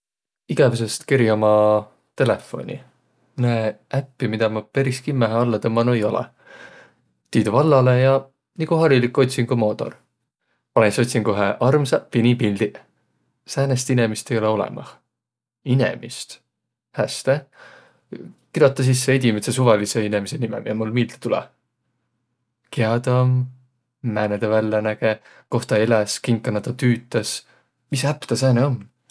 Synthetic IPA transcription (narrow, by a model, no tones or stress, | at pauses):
iɡ̥ɑvesest̪kiɾjɑmɑ | t̪e̞le̞fo̞̰nʲḭ | næeʔæpːimid̪̥ɑmɑpeɾiskimːæɦeɑlːɑt̪emːɑnuejo̞lɛ̰ | t̪iːd̪uvɑlːɑle̞jɑ | nikuɦɑɾilikːˑo̞t̪ʲsinkumo̞ːt̪ˑo̞̰r | pɑnenso̞t̪ʲsiŋko̞ɦeʔɑrmsɑpinipilʲd̪̥i | sæːnest̪ine̞mist̪e̞jo̞leo̞lɛ̰mɑ̰h | inḛmist̪ | hæst̪e | kid̪o̞t̪ːˑɑs̬is̬ːeed̪ʲimet̪ses̬uvɑliseinemisenimɛ̰miɑmulmiːlt̪e̥t̪ulɛ̰ | keɑd̪ɑmː | æːned̪̥evælːɑnæɡ̥e | ko̞ht̪ɑeleskiŋkːˑɑnɑt̪ɑt̪yːt̪ːˑɑs | misæpːt̪ɑsæːneom